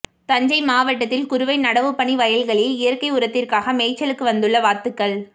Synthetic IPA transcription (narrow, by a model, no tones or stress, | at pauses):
t̪ɐɲd͡ʒɐɪmaːʋɐʈːɐt̪ːɪlkʊɾʊʋɐɪnɐɽɐʋɯpːɐɳiʋɐjɐlɣɐɭɪlɪjɐɾkɐɪʊɾɐt̪ːɪrkaːɣɐmeːt͡ʃːɐlɯkːɯʋɐnd̪ɯɭːɐʋaːt̪ɯkːɐɭ